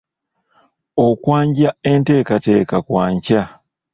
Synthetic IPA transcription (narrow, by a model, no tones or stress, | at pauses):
okwaːɲɟaente̞ːkateːkakwaːɲca